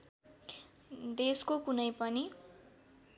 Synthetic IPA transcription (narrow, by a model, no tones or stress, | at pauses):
d̪eskokunʌjpʌni